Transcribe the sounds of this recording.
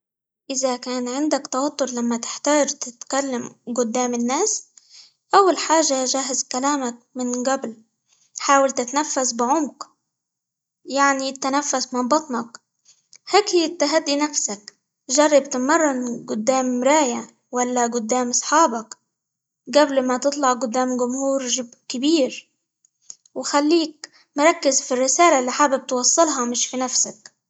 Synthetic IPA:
ʔɪzakaːnʕɪnd̪akt̪ɑwɑt̪ːʊɾlamːat̪ɪ̥ħt̪aːd͡ʒt̪ɪt̪kalːamɡʊd̪ːaːmɪnːaːs | ʔawːalħaːʒaʒaːɦɪzkalaːmak̚mɪnɡabl | ħaːwɪlt̪ɪt̪nafːasbɪʕʊmq | jaʕnit̪ːanafːasmɑbɑt̪ˤnɑk | heːkhɪjːɪt̪ːaɦad̪ːinafsak | ʒɑrˤːɑb̚t̪ɪmɑrˤːɑnɡʊd̪ːaːmɾaːja | walːaɡʊd̪ːaːmʔɑsˤħɑːbɑk | ɡablmat̪ɨt̪ˤlɑʕɡʊd̪ːaːmɡʊmhuːɾʒɪbkɪbiːɾ | wɪxalːiːk̚ | mʊɾˤɑkːɪzfirːɪsaːlalːiːħaːbɪb̚t̪wɑsˤːɨlɦɑmɪʃfinafsak

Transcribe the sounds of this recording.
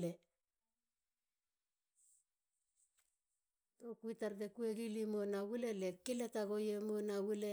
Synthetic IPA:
le | tokuitaɾdekue̞ɡilimo̞nawulelekiletaɡo̞jemonawule

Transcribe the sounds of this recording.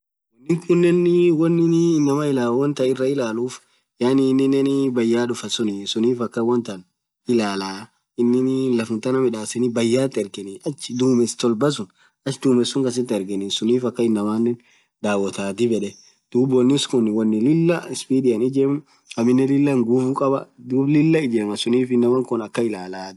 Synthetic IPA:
wɔnːɪŋkʰʊnːɛnwɔnːɪnnːɐmɐɪlaːwwɔnt̪ɐɪrːɐɪlaːluːf | jaːnɪːnːɪnːɛnbɐjːaːᶑʊfɐsʊnɪsʊniːfɐkːɐwɔnt̪ɐn | ɪlaːlaː | ɪnːɪnlɐfʊnt̪ɐnɐmɪᶑaːsɛnɪbɐjːaːt̪ːɪɛɾɡɛnɪʔɐt͡ʃːɪd̪uːmɛst̪ɔlbɐs̬ʊn | ɐʃd̪uːmɛsʊŋkɐs̬ɪt̪ːɪɛɾɡɛnɪsʊniːfɐkːɐɪnːɐmaːnːɛn | d̪aːwɔt̪aːt̪ɪbɛᶑɛ | d̪̥uːbwɔnːɪskʊnːɪwɐnːɪlɪlːɐɪspiːd̪ɪjɐnɪd͡ʒeːm | ɐmɪnːɛlɪlːɐŋɡuːbukʼɐbɐ̰d̪uːblɪlːɐɪd͡ʒeːmɐsʊniːfɪnːɐwɐŋkʊnɐkːɐɪlaːlaː

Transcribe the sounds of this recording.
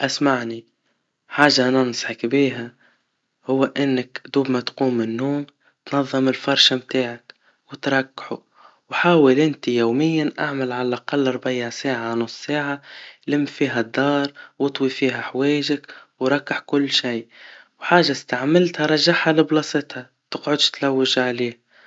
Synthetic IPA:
ʔasmaʕni | ħaːʒːaʔnɑnsˤħɑkbiːɦa | hʊwːʔɪnːakd̪uːbmat̪quːmːɪnːuːm | t̪nɑðˤːɨmɪlfɑɾˤʃamt̪aːʕak | wɪt̪ɾˤɑkːħu | wħaːwɪlʔɪnt̪ijoːmɪjːanʔa̰ʕmalʕalaʔaqɑlːɑɾˤbjasaːʕanʊsˤsaːʕalɪmːfiːɦæd̪ːɑːɾˤwɑt̪ˤwifiːɦaħweːjɪʒɪkwɾˤɑkːaħkʊlːʃiːwħaːʒːast̪aʕmɪlt̪haɾˤɑʒːaħhalɪblɑːsˤɪt̪ha | t̪ɪqʕʊd̪t̪lawːɪʒʕliːh

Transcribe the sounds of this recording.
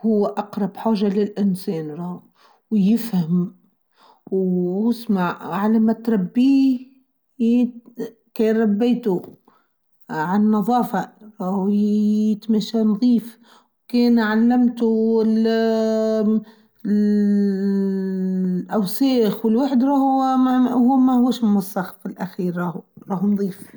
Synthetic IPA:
hʊwːʔɑqɾˤɑbħaːʒːalɪlʔɪnseːnɾˤɑː | wjɪfham | wjjɪsmaʕʕalamat̪ɾˤɑbːiː | kajɾˤɑbːajt̪u | ʕannːɑðˤɑːfaɾˤɑːh | ɪt̪maʃanðˤiːf | wkeːnʕalːamt̪uɪl | ʔawsaːxwɪlwaħd̪ɾˤɑːh | huːmahʊwaʃmʊmɑsˤːɑxfɪlʔaxiːɾɾˤɑːhuɾˤɑːhnðˤiːf

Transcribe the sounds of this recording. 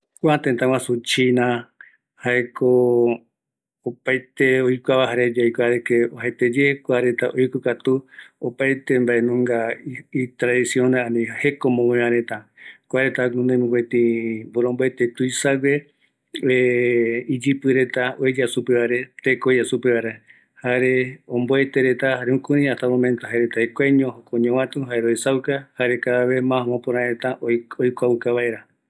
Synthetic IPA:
kʷat̪ẽt̪ãw̃ãsut͡ʃinã | haekʰo | pajt̪eojkʷaβaɦaɾed͡ʒajkʷaɾekeoɦet̪ed͡ʒekʷaɾe̞t̪aʔojkokat̪uopajt̪embaʔenũŋɡait̪ɾaðisionẽãnĩhekomõmõɲãɾẽt̪ãkʷaɾet̪anũnd̪ẽmũket̪ĩboɾõmboet̪et̪ujsawe | eid͡ʒɨpɨɾe̞t̪aoed͡ʒasupeβaɾe̞t̪ekoasupeβaɾa | haɾeõmboet̪e̞ɾet̪ahaɾeũkũɾĩaht̪amõmẽnt̪oɦaeɾet̪aekʷaɲõhokoɲõwãt̪ũɦaeɾoesawkahaɾekaaβe̞mãmõpõɾãẽt̪aoojkʷawkaβaeɾa

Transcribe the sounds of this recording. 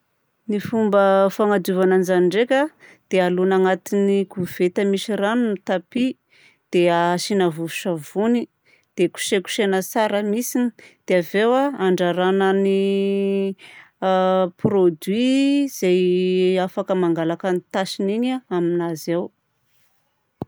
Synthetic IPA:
nifumbəfaŋad̪uvananzaniɳɖ͡ʐekʲad̪̥ealunaŋat̪iniɡuv̥et̪əmiʃiranunit̪api | d̪̥eaʃinavuvuʃavuni | d̪̥eku̥ʃeku̥ʃenəsaɾəmisinid̪̥eavewaaɳɖ͡ʐaɾanəni | prod̪wiz̥ajafakəmaŋɡalakənit̪aʃiniɲaaminazew

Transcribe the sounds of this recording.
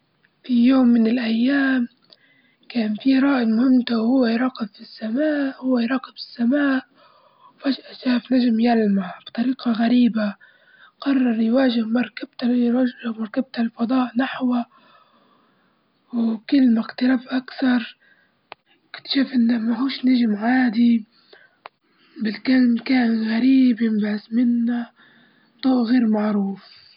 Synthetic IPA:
fijoːmːɪnɪlʔajːaːm | kaːnfiɾˤɑːʔɪmʊhɪmːt̪awhʊwːajɾˤɑːqɪbfisːamaːʔhʊwːajɾˤɑːqɪbɪ̥sːamaːʔ | wfaʒʔʃaːfnaʒmjalmab̥t̪ˤɑɾiːqɑɣaɾiːba | qɑrˤːɑɾˤjwaːʒɪhmɑɾˤkab̥t̪amɑɾˤkab̚t̪alfɑd̪ˤɑːʔnaħwa | wkɪlːmakt̪ɪlabʔakθɑɾˤ | kt̪ʃuːfʔɪnːamaɦuːʃnaʒɪmʕaːd̪i | bɪlkalmkaːnɣaɾiːbjɪmbʕɪsmɪnːa | t̪ˤuːʔɣeːɾmaʕɾuːf

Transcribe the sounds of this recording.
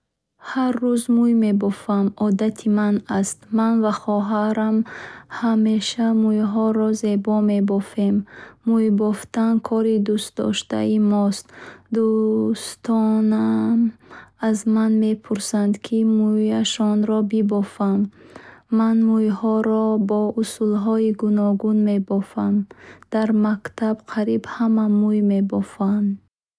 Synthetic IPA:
harːuzmujme̞bɔfamɔd̪at̪ʰimanast̪manvaχɔɦaɾamhame̞ʃamujɦɔɾɔze̞bɔme̞bɔfe̞mːujbɔft̪ankʰɔɾid̪ust̪̚d̪ɔ̰ʃt̪a̰imɔst̪d̪ust̪ʰɔnamazmanme̞pʰuɾsand̪kʰimujaʃɔnɾɔbibɔfamː | anmujhɔɾɔbɔusulɦɔiɡunɔɡunme̞bɔfamd̪̥aɾmakt̪ʰabqʰaɾibhamamujme̞bɔfand̪

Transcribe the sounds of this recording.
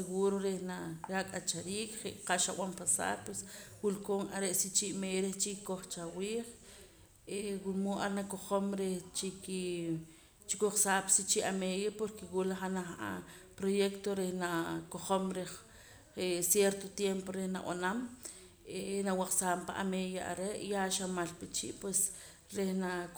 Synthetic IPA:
seɣuɾoɾehnaɾakʼat͡ʃaɾiːkχeʔqaʔʃaw̰ampasa̰ːɾpweswulkoːŋa̰ɾeʔsit͡ʃiʔmeːjɾet͡ʃikoχt͡ʃawiːχ | ewunmuʔaɾnakoχomɾeht͡ʃiki | t͡ʃikoχsaːpsit͡ʃiʔameðjapoɾkewulaχanaχa̰ | pɾojekt̪oɾehnakoχomɾe | esjeɾt̪ot̪jempoɾehnaʔʔanam | enawaχsaːmpa̰ʔa̰mejaa̰ɾeʔjaʃamalpit͡ʃḭʔpwes | ɾehna

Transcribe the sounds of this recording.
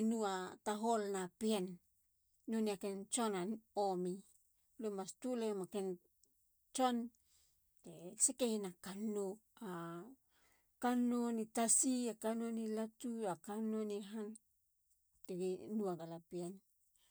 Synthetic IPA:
nuataɦolnapienː | oniakent͡ʃonanomi | lumastulemaken | t͡ʃon | tesekehnakanoa | kanonitasiakanonilatuakanoniɦan | teɡinuaɡalapien

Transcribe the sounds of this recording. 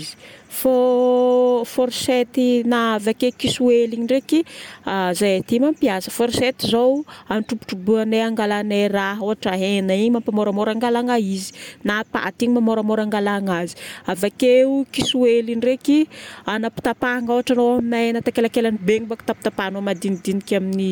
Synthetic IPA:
zi̥fo | foɾset̪inaːvakekisueliɲiɖ͡ʐekiazajat̪imampiasə̥foɾset̪izowanʈ͡ʂupu̥ʈ͡ʂubuaneaŋɡalaneraɦoɦaʈ͡ʂaɦenaiɲimampamoɾamoɾaŋɡalaŋaizi̥napa̰ʔat̪iɲimamoɾamoɾaŋɡalaŋazi̥avakeukisuelinrekianapi̥t̪apaŋoaʈ͡ʂanowaminaɦenat̪akelakelanibeŋibaki̥t̪apit̪apanomad̪inid̪inikʲamini

